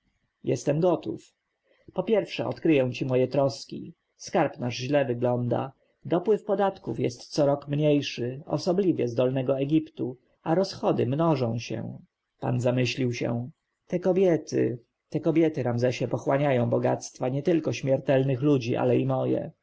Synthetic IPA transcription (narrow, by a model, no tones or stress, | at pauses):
jɛ̰st̪ɛmɡɔt̪ṵf | pɔpʲjɛɾfʂɛɔ̰t̪kɾɘjɛ̃w̃t͡ɕimɔjɛt̪ɾɔskʲḭ | skaɾpnaʐʑlɛvɘɡlɔnd̪a̰ | d̪ɔpwɘfpɔd̪at̪kufjɛst̪sɔɾɔkmɲejʂɘɔ̰sɔblʲivʲjɛzd̪ɔlnɛɡɔɛɡʲipt̪u | aɾɔsxɔd̪ɘmnɔʐɔ̃w̃ɕɛ̰ | pa̰nzamɘɕlʲiwɕɛ̰ | t̪ɛkɔbʲjɛt̪ɘ̰ | t̪ɛkɔbʲjɛt̪ɘɾamzɛɕɛpɔxwaɲajɔ̃w̃bɔɡat̪st̪faɲɛt̪ɘlkɔɕmʲɛɾt̪ɛlnɘxlud͡ʑiʔa̰lɛimɔjɛ̰